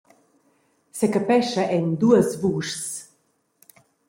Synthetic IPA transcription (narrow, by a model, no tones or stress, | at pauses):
sekapɛʃaʔɛnd̪uəsvuːʃs